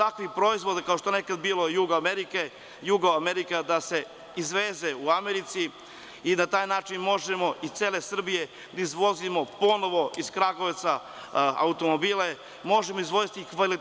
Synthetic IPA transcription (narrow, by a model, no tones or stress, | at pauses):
t̪akʋixpɾo̞izʋo̞d̪akaoʃt̪oenekad̪biːlojuɡaameɾike | juɡoameɾikad̪ase̞ | izʋeːzeuameɾit̪si | inat̪aːjnaːt͡ʃinmo̞ʒemo̞ʔist̪e̞ːle̞sr̩bije̞ | d̪aizʋo̞zimo̞po̞noʋo̞iskɾaɡoʋt̪sa | a̰ut̪o̞mobiːle | mo̞ʒemoizʋo̞zit̪ikʋali